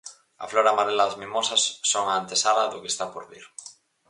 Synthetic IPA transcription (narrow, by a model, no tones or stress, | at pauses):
a̰floɾamaɾelazmĩmosasːoŋaːnt̪esalaðokest̪apoɾβiɾ